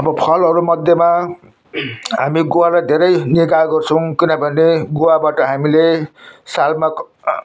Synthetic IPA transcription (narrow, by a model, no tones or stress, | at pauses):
ʌbʌpʰʌlʌɾumʌd̪ʱjema | ɦa̰miɡowalajd̪ʱeɾʌjniɡaɡʌrt͡sʰʌw̃kinʌbʱʌneɡowabaʈʌɦamilesalma